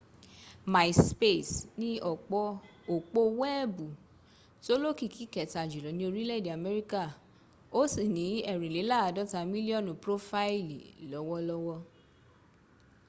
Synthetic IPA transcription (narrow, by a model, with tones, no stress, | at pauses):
ma˨sspe˦˨snĩ˦ɔ˨k͡pɔ˧ | o˨k͡po˧wɛ˦˨bu˨ | to˦lo˦ki˦˨ki˨˦kɛ˨ta˨d͡ʒu˨lɔ˨˦nĩ˦o˧ɾi˦lɛ˦˨di˨a˨mɛ˦ɾi˦ka˦˨ | o˦si˦˨nĩ˨˦ɛ˦˨ɾĩ˨le˨˦la˦˨a˨˧dɔ˦ta˧mĩ˦li˦ɔ˦˨nũ˨pɾo˦fa˦i˦˨li˨lɔ˨˦wɔ˧lɔ˧wɔ˧